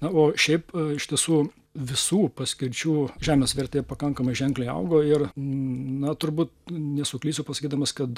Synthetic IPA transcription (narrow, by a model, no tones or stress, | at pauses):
nɐoːʃʲɛɪpɪʃt̪ʲiɛsuː | ʋʲɪsuːpɐsʲkʲɪɾʲt͡ʃʲuːʒʲæːmʲeːsʋʲɛɾʲt̪ʲeːɛpɐkɐŋkɐmɐɪʒʲɛŋklʲɛɪɐ̰ʊɡoːɪr | nɐt̪ʊɾbuːt̪nʲɛsʊklʲiːsʲʊpɐsɐkʲiːd̪ɐmɐskɐt̪